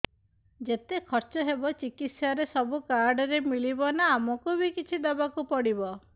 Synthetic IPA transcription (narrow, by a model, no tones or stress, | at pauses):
d͡ʒet̪ekʰɔɾt͡ʃɔɦebɔt͡ʃikit̪saɾesɔbukaɾɖɔɾemilibɔnaːmɔkubʱikit͡ʃʰid̪ɔbakupɔɽibɔ